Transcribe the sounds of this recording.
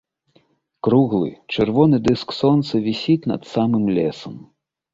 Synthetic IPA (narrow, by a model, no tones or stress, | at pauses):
kɾuɣlˠɨ̰t͡ʂɨrvɔnɨd̪ɨsksɔnt̪sɐvʲisʲit̪ʲnɐ̰t̪samɨmlʲɛsɐm